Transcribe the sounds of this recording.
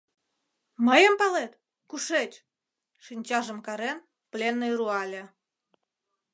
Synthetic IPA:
məjəmpɑlet̪ | kuʃet͡ɕʲ | ʃinʲt͡ɕɑʒəmkɑɾen | plʲenːojruɑlʲe

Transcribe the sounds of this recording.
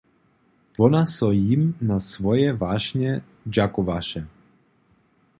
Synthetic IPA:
vɔnasɔjimnasvɔjɛvaʃɲɛ | d͡ʒakɔvaʃɛ

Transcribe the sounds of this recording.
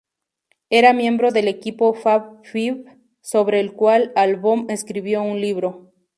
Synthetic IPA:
e̞ɾamje̞mbɾo̞ðe̞le̞kipo̞faβfiβ | so̞βɾe̞ːlkwalalβome̞skɾiβjo̞unliβɾo̞

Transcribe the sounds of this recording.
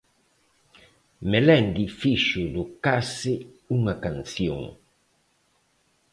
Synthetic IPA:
melɛnd̪ifiʃʊd̪okasɪ | uŋakanθjo̰ŋ

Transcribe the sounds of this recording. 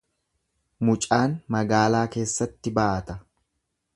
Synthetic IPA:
mʊt͡ʃʼaːnmɐɡaːlaːke̞ːsːɐt̪ːɪbaːʔɐt̪ɐ

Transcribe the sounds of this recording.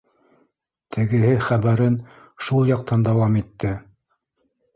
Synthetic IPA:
t̪ʰɘ̆ɡɘ̆hɘχæβæɾɘn | ʃulˠjɑq̚t̪ɑnd̪ɑwɑmit̪ːɘ

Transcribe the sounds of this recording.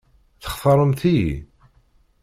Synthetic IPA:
θə̥χθəɾˤəmθḭ

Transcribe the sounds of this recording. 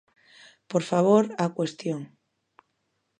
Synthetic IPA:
poɾfaβ̞oɾakwest̪joŋ

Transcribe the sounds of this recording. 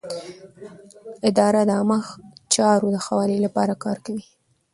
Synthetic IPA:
ɪd̪ɑɾad̪əaməxt͡ʃɑɾod̪əxawɑlelapɑɾakɑɾkawi

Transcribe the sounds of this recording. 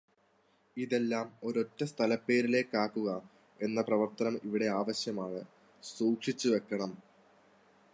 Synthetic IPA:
iðe̞lːaːmo̞ɾo̞tːɐst̪ʰɐlɐpːe̞ːɾile̞ːkːaːkːuɣɐ | e̞nːɐprɐʋɐrt̪ɐnɐmiʋiɽe̞aːʋɐɕjɐmaːɳɨ | suːkʂit͡ɕːuʋe̞kːɐɳɐm

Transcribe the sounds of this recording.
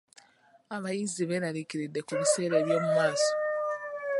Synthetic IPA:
aβajiziβenaɾiciɾidːe̞kuβise̞ːɾeːβjo̞ːmumaːso̥

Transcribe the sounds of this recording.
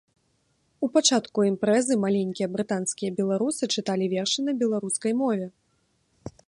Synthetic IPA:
upat͡ʂat̪kuɛmpɾɛzɨmalʲenʲkʲijɐbɾɨt̪anskʲijɐbʲɛlˠaɾusɨt͡ʂɨt̪alʲivʲɛrʂɨnɐbʲɛlˠaɾuskɐjmɔvʲɛ

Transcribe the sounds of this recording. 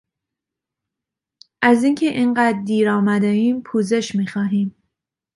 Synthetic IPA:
ʔæziːncʰe̞ʔinɢæːd̪d̪iːɾɒːmæd̪eiːmpʰuːze̞ʃmiːxɒːɦiːm

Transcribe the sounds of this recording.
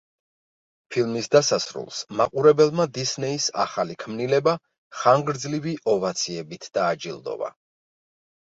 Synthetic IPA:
pʰilˠmisd̪asasɾṵlˠsmaqʼuɾɛbɛlˠmad̪isnɛisa̰χalikʰmnilɛba | χaŋɡɾd̪zliviʔɔvat̪sʰiɛbit̪ʰd̪̥aːd͡ʒilˠd̪ɔ̰va̰

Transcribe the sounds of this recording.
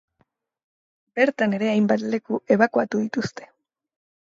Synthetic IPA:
be̞ɾt̪ane̞ɾe̞ajmbat̪le̞kue̞βakuat̪uðit̪ust̪e̞̥

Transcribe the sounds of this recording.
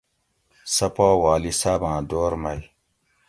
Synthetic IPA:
sɐpaːwaːlisaːbãːd̪oːɾmɐj

